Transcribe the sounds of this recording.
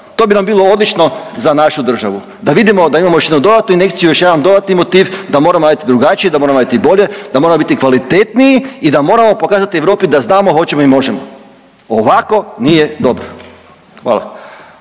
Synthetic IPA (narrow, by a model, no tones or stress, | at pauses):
t̪o̞ːbinambiːlˠo̞o̞d̪lit͡ʃno̞zanaʃud̪r̩ʒa̰ʋu | d̪aʋid̪imo̞d̪aimamojoʃjed̪nud̪o̞d̪at̪nuine̞kt̪sijujoʃjaʋamd̪o̞d̪at̪nimo̞t̪iːʋd̪amo̞ːɾamonaːjit̪id̪ɾuɡat͡ʃiid̪amo̞ɾamabit̪ibo̞ʎe̞d̪amoɾamo̞bit̪ikʋalit̪e̞t̪niiid̪amo̞ːɾamo̞po̞kaːzat̪ieʋɾo̞ːpid̪aznaːmo̞ɦo̞t͡ɕemoimo̞ʒe̞mo | oʋako̞nije̞d̪o̞bɾo | xʋa̰ːlˠa̰